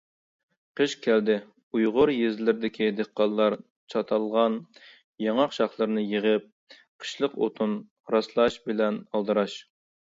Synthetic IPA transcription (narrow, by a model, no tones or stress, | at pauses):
qʰəʃkʲʰæld̪ɪ | ujʁʊɾjezlɪɾd̪ɪkʲʰid̪eqːɑlˠːɑɾ | t͡ʃʰɑt̪ʰɑlˠʁɑn | jɑŋɑqʃɑχlˠəɾnɨjeʁəp̚ | qʰə̥ʃlˠəqo̰t̪ʰun | ɾɑslˠɑʃbɪlɛnɑlˠd̪ɨɾɑʃ